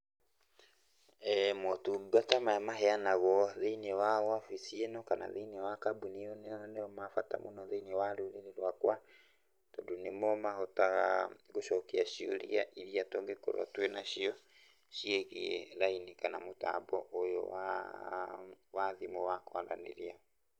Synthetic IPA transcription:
ɛmwɔtuɡatamajamaɦɛanaɣɔðeinɛwawafisienɔkana̰ðeinewakabuniɔnnɛɔmafata̰munɔðeinewaɾuɾiɾeɾwakwa | tɔdunemɔmahɔtaɣa̰ɣoʃɔkiaʃio̰ɾḭaʔiɾiatɔŋɡekɔ̰ɾa̰twenaʃiɔ | ʃieɣiɛlainikanamota̰bɔʔojɔ̰wa̰ | waðimɔwakanɾa̰nḛɾia

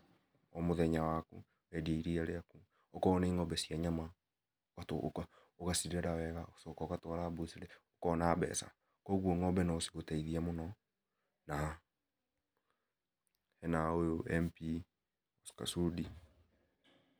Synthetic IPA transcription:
ɔmoðɛɲawakṵ | ɛdieiɾiaɾeaku | okɔnaiŋɔbɛsiaɲama | watoka | oɣasidɛɾawɛɣaosɔkɔkatɔɾabusiɾeokɔnaːbɛ̰sa̰ | kɔɣwɔŋɔbɛnaosi̥ɣotaiðiɛmonɔ | na | hɛnaojoɛmpi | oska̰sudi

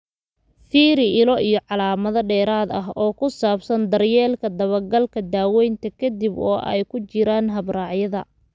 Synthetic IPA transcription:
fiːɾɪɪlɔʔijɞʕɑlaːmɐðɐɖɛːɾaːd̪ɐɦɔːkʰʊsaːbsɐnd̪ɐrjɛːlkʰɐd̪ɐβɐrɡɐlkʰɐd̪aːwɛjnt̪ʰɐkʰɐd̪ibɔːʔɛ̰jkʰʊt͡ʃɪɾaːnɦɐbraːʕjɐðɐ̰

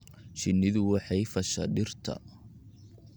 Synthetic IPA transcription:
ʃɪnːɪðʊwɑħɑjfɐʃɐ̰ɖɪrt̪ʰɐ̰

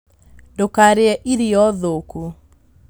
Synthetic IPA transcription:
ndokaɾeɛʔiɾiɔðoku

